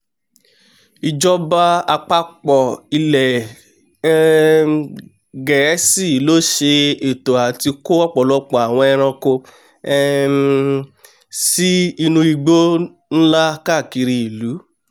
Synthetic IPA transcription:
i˧d͡ʒɔ˦ba˦a˧k͡pa˦k͡pɔ˨i˧lɛ˨˧ | ɡɛ˨˦si˦˨lo˦ʃe˧e˨to˨a˨ti˧ko˦ɔ˦k͡pɔ˨lɔ˦k͡pɔ˨a˨w̃ɔ̃˧ɛ˧ɾ̃ã˧ko˧ | ɛ˦ | si˦i˧nũ˧i˧ɡ͡bo˦ | n̩˦la˦ka˦˨ki˧ɾi˧i˨lu˨˦

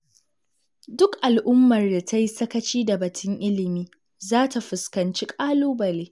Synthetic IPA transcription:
dʊ˦kʔa˨lʔʊ˦mːɐ˨rda˨ta˦ji˦sɐ˦kɐ˦t͡ʃiː˦da˨bɐ˨tʰʊ˦ŋʔɪ˦lɪ˨miː˦ | zaː˦ta˨ɸʊ˨skɐ˨nt͡ʃi˦kʼaː˦loː˦bɐ˨leː˦

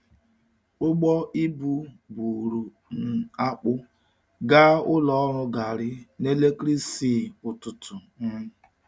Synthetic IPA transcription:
ʊ˦ɡ͡bɔ˦ʔi˦bu˦bu˨ɾu˨ | n̩˨a˦k͡pʊ˦ | ɡa˦ʊ˦lɔ˦ɔ˦ɾʊ˦ɡa˨ɾɪ˦ne˦le˦kɾi˦si˦˨ʊ˨tʊ˨tʊ˨n̩˦

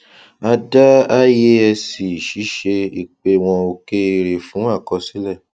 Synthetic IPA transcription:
a˧da˦a˦je˦ɛ˧si˨ʃi˨˦ʃe˧i˨k͡pe˧w̃ɔ̃˧o˧ke˦˧ɾe˨fũ˨˦a˦˨kɔ˧si˦lɛ˦˨

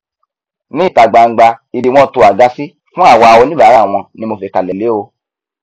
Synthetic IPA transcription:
nĩ˦i˦˨ta˨ɡ͡ba˨ŋ̩˨ɡ͡ba˧i˨di˨w̃ɔ̃˦˧to˧a˨ɡa˧si˦ | fũ˦a˦˨wɔ˨˧a˧wo˧nĩ˦ba˨˦ɾa˦˨w̃ɔ̃˧nĩ˧mo˧fe˧ka˨lɛ˨le˨˦o˧

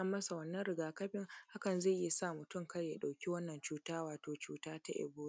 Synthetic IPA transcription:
ɐ˦mːɐ˦sa˨wɐ˦nːɐ˦nɾɪ˨ɡaː˨kɐ˦ɸɪ˦ŋha˦kɐ˨nza˦˨˦i˦saː˦˨mʊ˨tʊ˦˨ŋkɐ˦jja˨ɗa˨wkʲi˦wɐ˦nːɐ˨nt͡ʃuː˦taː˦waː˨toː˨t͡ʃuː˦taː˦ta˦ʔɪ̰˨buː˦

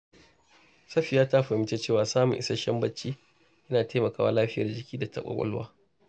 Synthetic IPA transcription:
sɐ˦ɸi˨jaː˦taː˦ɸɐ˨mɪ˦t͡ʃeː˦t͡ʃeː˦˨waː˨saː˦mʊ̰˨ŋʔɪ̰˦sɐ˦ʃɐ˦mbɐ˦t͡ʃːiː˦ | ʔɐ˦naː˨teː˦mɐ˨kaː˦wa̰ː˦laː˦ɸɪ˦jɐ̰˨rd͡ʒɪ˦kʲiː˦da˨tɐ̰˦kʷʼɐ̰˦˨kʷʼɔ̰˦lwaː˦

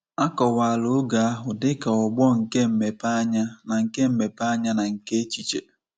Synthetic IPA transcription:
a˦kɔ˨wa˨a˨lʊ˨˦ɡa˨a˦ɦʊ˨dɪ˦ka˨ɔ˨ɡ͡bɔ˦ŋ̩˨ke˦m̩˨me˨pa˦ɲa˦na˨ŋ̩˨ke˦m̩˦me˨pa˦ɲa˦na˨ŋ̩˨ke˦e˦t͡ʃi˨t͡ʃḛ˨

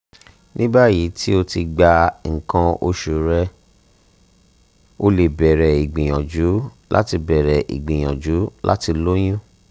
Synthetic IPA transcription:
nʔĩ˦ba˦˨ji˨˦ti˦o˧ti˧ɡ͡ba˧ŋ̩˨kã˧o˧ʃu˨ɾɛ˧ | o˧le˨bɛ˨ɾɛ˨i˨ɡ͡bĩ˨j̃ɔ̃˨d͡ʒu˨˦ | lʔa̰˦ti˧bɛ˨ɾɛ˨ʔḭ˨ɡ͡bĩ˨j̃ɔ̃˨d͡ʒu˨˦la̰˦ti˧lo˦j̃ũ˦

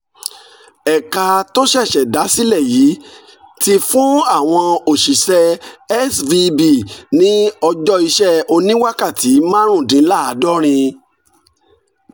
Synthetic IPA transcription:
ɛ˨ka˧to˦ʃɛ˦˨ʃɛ˨da˨˦si˦lɛ˦˨jiː˨˦ | ti˧fũ˦a˦˨w̃ɔ̃˧o˨ʃi˨sɛ˧ɛ˦svi˧bi˦˨nĩ˨˦ɔ˧d͡ʒɔ˦i˧ʃɛ˦˨o˧nĩ˦wa˦ka˦˨ti˨˦mãː˦ɾ̃ũ˦˨dĩ˨˦la˦˨a˨˦dɔ˦ɾ̃ĩ˧

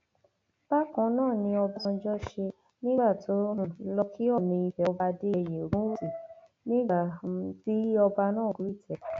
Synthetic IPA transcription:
b̥a˦kã˨˦nãː˦˨nĩ˧ɔ˧ba˧d͡ʒɔ˦ʃe˧ | nĩ˦ba˦˨tʰo˨˦ũ˦˨˦lɔ˧kʰi˦ɔ˦˨nĩ˧i˧fɛ˨ɔ˧ba˧de˦e˧˨je˨o˨ɾũ˦u˦si˨ | nĩ˦ɡ͡ba˦˨˧ti˦ɔ˧ba˧nãː˦˨ɡu˨˦i˦˨tʰɛ˨˦

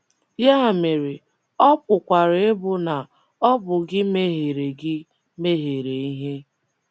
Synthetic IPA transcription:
ja˦˨me˨ɾe˨ | ɔ˦pʊ˨kʷa˨ɾɪ˨˦e˦bʊ˨na˨ | ɔ˦bʊ˨ɡɪ˦me˦ɦe˨ɾe˨ɡɪ˦ | me˦ɦe˨ɾe˨i˦ɦe˦

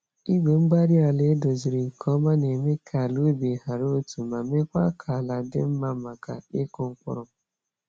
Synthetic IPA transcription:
i˦ɡ͡be˨ŋ͡m̩˦ɡ͡ba˦ɾi˦a˨le˨˦do˨zi˨ɾi˨kʰɔ˦ma˦ne˨me˦kʰa˨lu˦bi˨ha˨ɾo˦tu˨ma˨me˦kʷa˦kʰa˨la˨dɪ̰˦m̩˦ma˦ma˨ka̰˨ɪ˦kʊ˦ŋ̩˦kʷʊ̰˦ɾʊ˨

